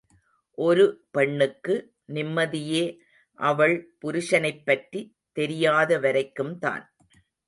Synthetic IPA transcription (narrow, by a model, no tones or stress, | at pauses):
ʔɔɾɯpɛɳːɯkːɯ | nɪmːɐðɪjeː | ʔɐʋɐɭpʊɾʊʂɐnɐɪpːɐʈri | t̪ɛɾɪjaːðɐʋɐɾɐɪkːɯmt̪a̰ːn